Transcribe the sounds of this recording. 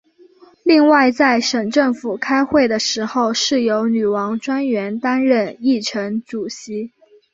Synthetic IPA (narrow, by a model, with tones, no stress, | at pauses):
li˥˧ŋwa˥˧ɪt͡sa˥˩ɪʂə˨˩ŋʈ͡ʂɤ˥˩ŋfu˨˩kʰa˥ɪxwe˥˩ɪd̪ə˩ʂɻ̩˧˥xo˥˧ʊʂɻ̩˥˩jo˧˥ʊny˨˩wɑ˧˥ŋʈ͡ʂwa˥nɥɛ˧˥nt̪a˥nɻə˥˧ni˥˩ʈ͡ʂʰɤ˧˥ŋʈ͡ʂu˨˩ɕi˧˥